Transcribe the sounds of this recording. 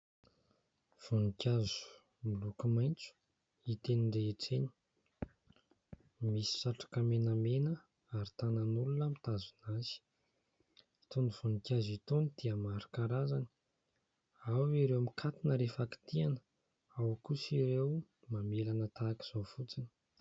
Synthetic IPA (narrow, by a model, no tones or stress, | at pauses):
v̥unikʲazu̥ | milukumajnt͡su̥ | it̪eniɳɖ͡ʐeeʈ͡ʂeni̥ | misi̥saʈ͡ʂḁkamenamenə | aɾit̪ananulunəmit̪azunaz̥i̥ | it̪oniv̥unikʲazit̪onid̪̥iəmaɾi̥kaɾazani̥ | awiɾewamikʰat̪inəɾefaki̥t̪ianə̥ | awkusiɾew | mamelanət̪aki̥z̥ofut͡sini̥